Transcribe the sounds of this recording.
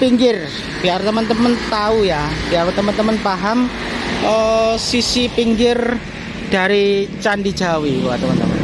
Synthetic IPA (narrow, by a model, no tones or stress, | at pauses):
piŋɡɪr | b̥iart̪əmənt̪əmənt̪aujab̥iaɾwt̪əmənt̪əmənpaɦam | ʔəsisipiŋɡɪr | d̥a̤ɾit͡ʃanɖi̥d͡ʒ̥awikua̰t̪əmant̪əmə̰n